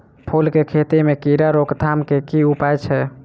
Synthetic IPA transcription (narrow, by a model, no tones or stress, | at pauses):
pʰolkekʰet̪imekiɾaɾokd̪ʱamkekiupajt͡ʃʰɛ